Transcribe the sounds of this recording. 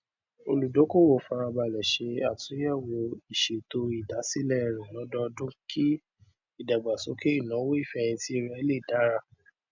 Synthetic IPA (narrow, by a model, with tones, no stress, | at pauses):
o˧lu˨do˨˦ko˦˨wo˨fa˧ɾa˧ba˧˨lɛ˨ʃe˧a˨tũ˨˦ɛ˦˨wo˨˧˦i˦˨ʃe˨to˧i˨da˨˦si˦lɛ˦˨ɾ̃ɛ̃˨lɔ˨˦dɔ˦dũ˦kʰi˦ | i˦˨da˨ɡ͡ba˨so˨˦ke˦i˦˨nã˨˦wo˦i˦˨fɛ˦˧j̃ĩ˧ti˦˧˦ɾɛ˦˧˦le˦˨da˨˦ɾa˦˨